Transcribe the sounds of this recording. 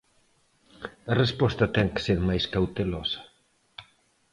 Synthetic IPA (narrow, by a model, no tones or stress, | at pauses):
ɐrespɔst̪ɐt̪ɛŋkɪ̥seɾmajskawt̪elɔsɐ̥